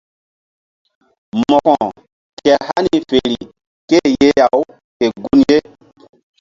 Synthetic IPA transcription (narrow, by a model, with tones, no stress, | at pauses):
mɔ˨kɔ̃˨ | kɛ˨ha˦ni˨fe˨ɾi˨ | ke˦˨je˦ja˨w | ke˨ɡu˦nje˦